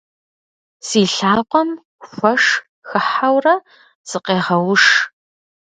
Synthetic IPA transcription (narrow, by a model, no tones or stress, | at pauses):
siːɬaːqʷɔm | xʷɐʂ | xɨħawrɐ | z̥ɨqeːʁɐwʂ